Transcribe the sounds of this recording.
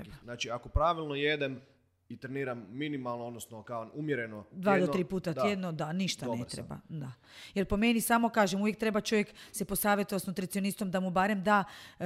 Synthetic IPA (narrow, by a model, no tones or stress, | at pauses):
banaːt͡ʃiakopɾaʋilˠnojed̪em | it̪ɾeniːɾamːinimalˠnood̪nosnokaonumjeɾenod̪ʋaːdd̪ot̪ɾiːpuːt̪at̪jed̪nod̪aniʃt̪aneɾḛba̰d̪a | jelpo̞menisaːmo̞kaːʒemuʋjekt̪ɾe̞bat͡ʃo̞ʋjeksepo̞saːʋjet̪oʋasnut̪ɾit̪sio̞nist̪o̞md̪amubaːɾemd̪aː